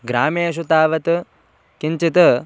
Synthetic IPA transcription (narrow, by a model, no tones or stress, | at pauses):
ɡɾaːmeːʃ̬ut̪aːʋɐt̪ɨ | kiɲt͡ʃit̪ɨ